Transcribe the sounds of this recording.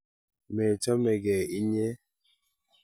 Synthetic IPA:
mɛ˨tɔ˦mɛ˨ɡɛ˨i˦ɲɛ˦

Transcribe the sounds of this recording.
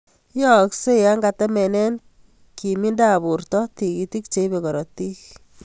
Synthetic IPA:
jɔ˨kse˦ja˦ŋɡa˨tɛ˦mɛ˨nɛ˦n | ki˨mi˦nda˨βu˨ɾtɔ˦ti˨ki˨ti˦k̚t͡ʃe˨˦ibe˨kɔ˨ɾɔ˨ti˦k

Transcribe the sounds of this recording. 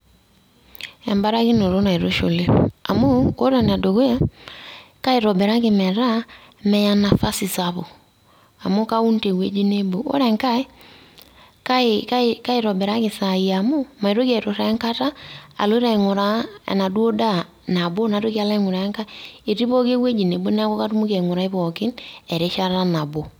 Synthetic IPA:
ɛ˨mba˦ɾa˦ɣi˦no˨ɾo˦na˨i˨ɾo˦ʃo˨le˦a̰˨mo˦ko˦ɾa˨n˨a˨do˨ɣo˦ja˦ | ka˦e˨ɾɔ˨bɛ˨ɾa˦ke˨mɛ˨ɾa˦ | mɛ˨ja˨na˨fa˦si˨sa˨βo˨ | a̰˨mo˦ka˦u˦nte˨ɣwe˦d͡ʒi˦ne˦bo˨o̰˦ɾɛ˨ŋka˦ | ka˦ɪka˦ika˦i˦˨ɾɔ˨bɛ˨ɾa˦kɪ˨sa˨i˨a˨mo˦ma˨i˨ɾo˦kɛ˨ɾo˨ɾa˨˦ŋka˦ta˦a̰˨lo˦i˦ɾa˨ŋʊ˨ɾa̰˦˨na˨dwo˦da˦ | na˨bo˦na˨ɾo˦ki˦a˨˦la˦ŋʊ˨ɾa˨ja˦ŋka˦e˨ɾi˦βɔ˦ke˦we˦d͡ʒi˨ne˨bo˦n˦a˦kɔ˦ka˦ɾu˦mu˦ke˨ŋu˨ɾa˨˦i˦βɔ˨kɪ˦nɛ˨ɾe˦ʃa˦ɾa˦na˨bo˨

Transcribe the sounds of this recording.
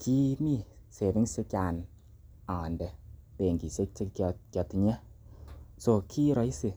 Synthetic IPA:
kʰi˦mi˦˧ | se˨t̪i˦ŋ˦se˧kaː˧n | a˨ndɛ˨pe˨ŋki˨se˦t͡ʃe˧kkjɔ˧t̪i˧ɲɛ˦ | so˧kʰiː˦ɾɔ˧˦i˦si˧

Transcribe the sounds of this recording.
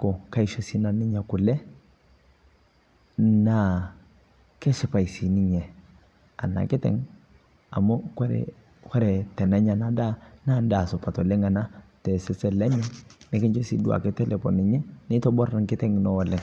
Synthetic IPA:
ko˨ka˦i˦ʃe˦si˦na˨nɪ˦ɲa˨kʊ˨lɛ˦ | na˦˨ | kɛ˦ʃɪ˨pa˨jsi˨nɪ˦ɲɛ˨ | a̰˨na̰˨kɪ˦tɛ̰˦ŋ | a̰˨mo˦kɔ˦ɾɛ̰˨ | kɔ˦ɾɛ˨tɛ˨nɛ˦ɲa˨na˨da˦na˦˨nda˨sɔ˨pa˨tɔ˨le˦ŋa˨na˦tɛ˨sɪ˦sɛ˦lɛ˦ɲɛ˦nɪ˨kɪ˦ɲt͡ʃɔ˦sḭ˦du˦a̰˨kɪ˦tɛ˦lɛ˨pɔ̰˨nɪ˨ɲɛ˦nɪ˦tɔ˦bɔ˦ɾa˨nkɪ˦tɛ˦ŋnɔ˦ɔ˨lɪ˨ŋ

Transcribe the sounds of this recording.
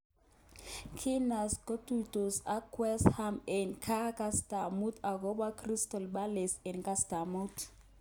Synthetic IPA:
kʰi˦na˨sɡo˦tudʱo˨sa˦kwɛ˦shamɛ˨nkʰa˦ka˦sta˨mu˦ta˨kɔ˦ɓa˦kri˦stɔ˨lɓa˦lɛ˨sɛ˨nka˦stamut

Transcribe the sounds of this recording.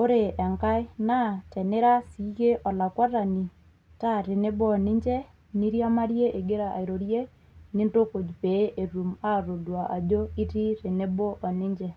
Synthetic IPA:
o˦ɾe˨a˨ŋka˦na˦˨tɛ˨ne˦ɾa˦si˨˦ke˦ʔɔ˨la˨kwɔ˦ɾa˨ni˨ | ta˦ɾe˨ne˦bɔ˦ɔ˨nɪ˦ɲd͡ʒɛ˦ | ni˦ɾja˦ma˦ɾje˦ʔe˨ɡe˦ɾa˨ʔa̰˨i˨ɾo˨ɾje˦ | ni˦nto˦ko˨d͡ʒpe˨˦ʔe˨ɾu˨ma˦ɾo˨dwa˨ʔa˨d͡ʒo˦i˦ti˦ɾe˨ne˦bo˦ʔɔ˨nɪ˦ɲd͡ʒɛ˨

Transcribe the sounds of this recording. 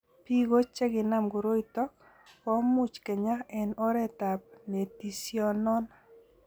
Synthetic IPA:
pi˦ɡo˦t͡ʃɛ˦ɡɪ˨na˦mɡo˨ɾo˦itɔ˦k | ɔ˦mʊ˦t͡ʃkɛ˨ɲa˦ɛ˨nɔ˦ɾɛ˦ta˨p̚ne˨ti˨sjɔ˦nɔ˦n

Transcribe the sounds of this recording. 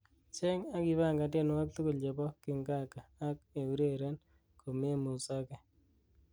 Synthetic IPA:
t͡ʃe˦ŋa˦ki˨˦βa˦˨ŋɡa˨te˦˨n˦a˦k̚tu˦kʊ˨ld͡ʒe˨bɔ˦kɪ˨ŋɡa˦kaː˨˦k̚e˨u˨ɾe˦ɾe˦n | ko˨me˦mu˨sa˦ke˨

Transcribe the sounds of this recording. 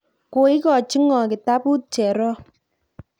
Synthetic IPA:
ko˨i˦kɔ˨t͡ʃi˦ŋɔ˨ki˨ta˦pu˦t͡ʃɛ˨ɾɔ˦

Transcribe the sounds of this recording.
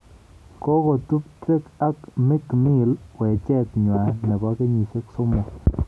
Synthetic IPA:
ko˦ɡo˨t̪u˦p̚te˦ka˦kmɪ˦kmi˦˨lwɛ˨t͡ʃɛ˦t̪ɲwa˨nɛ˨ba˦ke˦ɲi˨se˦kso˦mɔ˨

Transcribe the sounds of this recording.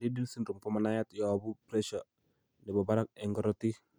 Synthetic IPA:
di˦di˦lsi˦nɾu˨ŋpɔ˦manaja˦t̪jɔ˨bu˦pɾɛ˦ʃa | nɛ˨ba˨baɾa˦k̚ɛŋɡɔ˦ɾɔt̪i˦

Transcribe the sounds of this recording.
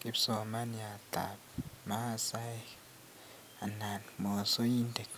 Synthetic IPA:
kʼi˦pso˨ma˦ni˨a˨ta̰˨p̚ma˦˨sa˦j | a˨na˨nmo˨so˦ji˦nde˨k

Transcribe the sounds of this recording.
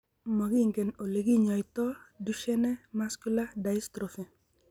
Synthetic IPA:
mɔ˨ɡɪ˦˨ŋɡe˨no˨le˨ɡi˦ɲɔ˨jt̪ɔ˦du˦ʃɛ˦nɛ˦ma˦sku˦la˦da˨ɪ˦st̪ɾo˨fe˨

